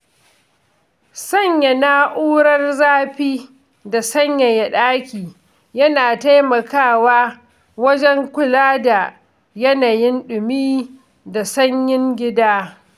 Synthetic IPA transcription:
sɐ˦˨ɲja˨naː˦ʔuː˦ɾɐ˦rzaː˦ɸiː˦ | da˨sɐ˦ɲja˨jɐ˨ɗaː˦kʲiː˨ | jɐ˦naː˨ta˦jmɐ˨kaː˦˨waː˦ | wɐ˦d͡ʒɛ˦ŋkʷʊ˨laː˦da˨ | jɐ˦naː˨jɪ˦nɗʊ˨miː˦ | da˨sɐ˦ɲjɪ˦ŋɡʲɪ˦daː˦

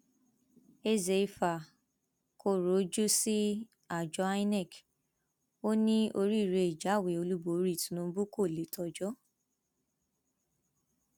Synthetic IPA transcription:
e˦ze˧i˧fa˨ | ko˦˨ɾo˨˦d͡ʒu˦si˦ | a˨d͡ʒɔ˨˧˦a˦i˦nɛ˦˨k | o˦nĩ˦o˧ɾi˦˨ɾe˧i˨d͡ʒa˨˦˨we˨o˧lu˦bo˨˦ɾi˦˨tũ˨˦nũ˧˦bu˦ko˦˨le˨˦tʰɔ˧d͡ʒɔ˦

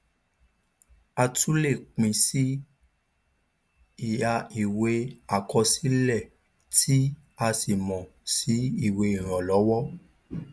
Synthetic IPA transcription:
a˧tu˦le˦˨k͡pĩ˨˧si˦ | i˦˨ja˧i˨we˧a˨kɔ˧si˦lɛ˦˨ | tʰi˦ | a˧si˨mɔ̃˨si˨˦i˦˨we˧i˨ɾ̃ɔ̃˨lɔ˨˦wɔ˦

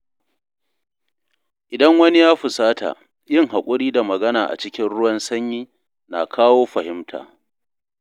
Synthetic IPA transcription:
ʔɪ˨dɐ˦ŋwɐ˦ni˦jaː˦ɸʊ˨saː˦ta̰˨ | jɪ˦˨ŋɦa˨kʷʼʊ˦ɽiː˦da˨mɐ˨ɡɐ˦naː˨ʔa̰˨t͡ʃɪ˦kʲɪ˦nɽʊ˦wɐ˦nsɐ˦ɲjiː˦ | na̰˨kʰaː˦woː˦ɸɐ˨hɪ˦mtʰa̰ː˨

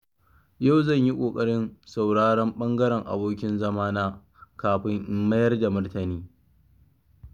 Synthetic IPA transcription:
ja˦˨wzɐ˦˨ɲji˦kʷʼoː˨kʼɐ˦ɽɪ˦nsa˨wɽaː˦ɽɐ˦mɓɐ˦ŋɡɐ˦ɽɛ˨ŋʔa̰˨boː˦kʲɪ˦nzɐ˦maː˦naː˦ | kaː˨ɸɪ˦ŋʔɪ˦mːɐ˦jɐ˦rda˨mʊ˦rtɐ˨niː˦

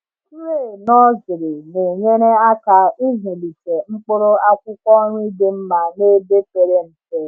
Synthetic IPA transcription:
ɾe˦˨nɔ˦zɪ˨ɾɪ˨ne˨ɲe˦ɾe˦a˦ka˨i˦zi˨li˨te˨ŋ͡m̩˦k͡pʊ˦ɾʊ˦a˦kʷʊ˦kʷɔ˦ɲʷʊ˦i˦de˦m̩˦ma˨ne˦be˦pe˨ɾe˦m̩˨te˦

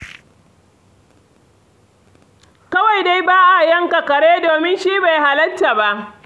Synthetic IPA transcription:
kɐ˦wa˨jda˦jbaː˦ʔa˨jɐ˦ŋka˨kɐ˨ɽeː˦doː˨mɪ˦nʃiː˦ba˨jɦa˨lɐ˦tːa˨ba˦ʔ

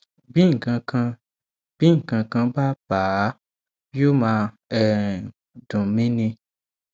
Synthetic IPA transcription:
bĩ˦ŋ˨kã˧kã˧ | b̥ĩ˦ŋ˨kã˧kã˧ba˦ba˨˦ | jo˦mã˧ | ɛ˨ | dũ˨mĩ˦nĩ˧

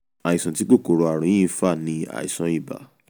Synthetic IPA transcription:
a˨i˨sɔ̃˨ti˦k͡po˦˨ko˨ɾo˨˧a˨ɾ̃ɔ̃˨˦ĩ˦fa˦˨nĩ˧a̰˨ḭ˨sã˨˦i˦˨ba̰˨˦

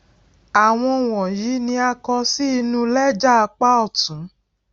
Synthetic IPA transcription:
a˨w̃ɔ̃˧˨w̃ɔ̃˨jiː˨˦nĩ˧a˧kɔ˧si˦i˧nũ˦lɛ˦d͡ʒa˦a˧k͡pa˦ɔ˦˨tũ˨˦

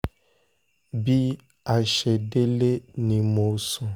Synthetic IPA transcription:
bi˦ | a˨ʃɛ˨de˦le˦nĩ˨mo˨˦sũ˦

